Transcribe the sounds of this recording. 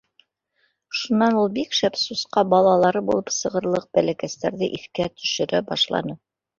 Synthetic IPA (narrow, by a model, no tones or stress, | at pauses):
ʃunːɑnulˠbikʃæpsusqɑbɑlˠɑlˠɑɾɤbulˠɤpsɤ̆ʁɤ̆ɾlˠɤq̚bælækæst̪æɾðɘʔiθkæt̪ʰɵ̥̆ʃɘ̆ɾæbɑʃlˠɑ̰nɤ